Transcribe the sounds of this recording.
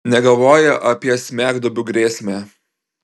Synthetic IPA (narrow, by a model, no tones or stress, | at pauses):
nʲɛɡɐlˠʋoːjɛʔɐpʲiɛsʲmʲæːɡd̪obʲʊɡɾʲeːsʲmʲæː